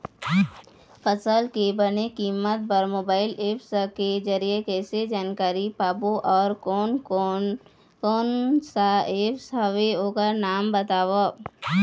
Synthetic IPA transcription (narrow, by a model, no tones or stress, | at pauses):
pəsəlkebənekiːmːət̪̚bəɾmoːbaːɪleːpsked͡ʒəɾijekɛːsed͡ʒaːnkaːɾipaːboʔɔːɾ | koːnsaeːpsɦɐʋeɦoːkəɾnaːmbət̪aːʋo